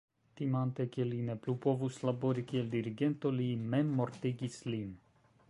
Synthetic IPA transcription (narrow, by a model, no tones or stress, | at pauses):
t̪imant̪ekelineplupovuslaboɾikield̪iɾiɡent̪olimemːoɾt̪eɡislin